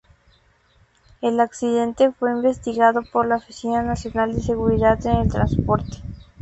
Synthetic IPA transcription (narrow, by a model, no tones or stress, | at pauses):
elaksiðe̞nt̪e̞fwe̞imbe̞st̪iɣaðo̞poɾlaofisinanasjonald̪ese̞ɣuɾiðaðene̞lt̪ɾanspo̞ɾt̪e̥